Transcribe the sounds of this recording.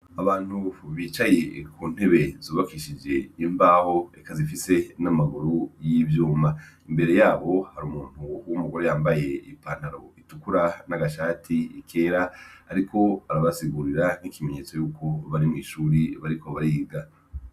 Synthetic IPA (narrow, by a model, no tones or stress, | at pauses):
aβaːn̥huβiːt͡ʃaje̞kuːn̥he̞βe̞zoːβakiʃid͡ʒe̞imbaːho̞ekazifise̞namaɡuɾujivjuːma | imbe̞ɾe̞jaːβo̞haɾuːmuːn̥uwumuɡo̞ɾe̞jaːmbaje̞ipaːn̥aɾo̞itukuɾanaɡaʃaːtʰiḭkʰe̞ːɾaːɾikʰo̞aɾaβasiɡuːɾiɾan̥ikime̞ɲe̞ːt͡so̞juːkʰo̞βaɾimŋiːʃuːɾiβaɾikʰo̞βaɾiːɡa